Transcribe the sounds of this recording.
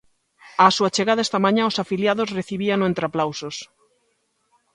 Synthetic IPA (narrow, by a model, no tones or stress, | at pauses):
asuat͡ʃeɣaðɐest̪ɐmãɲãosafiljaðosreθiβiaŋẽnt̪ɾeaplawsos